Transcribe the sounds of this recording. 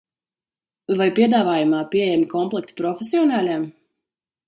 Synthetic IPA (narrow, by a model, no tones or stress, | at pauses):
vajpiɛd̪aːvaːjumaːpiɛejɛmʲikɔmplˠɛk̚t̪i̥pɾɔfʲesiɔnaːlʲam